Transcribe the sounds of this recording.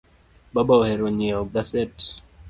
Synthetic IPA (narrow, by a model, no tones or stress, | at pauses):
ɓaɓaɔhɛɾɔɲiauɡasɛt